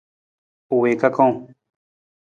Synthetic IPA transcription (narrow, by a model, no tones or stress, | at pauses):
uwekakõ